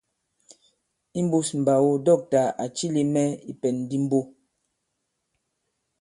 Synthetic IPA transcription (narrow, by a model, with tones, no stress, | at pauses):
i˦m̩˦bu˦sm̩˨ba˨wo˦dɔ˦˨k̚ta˨a˨t͡ʃi˦li˦mɛ˦i˦pɛ˨nː˦di˦m̩˦bo˦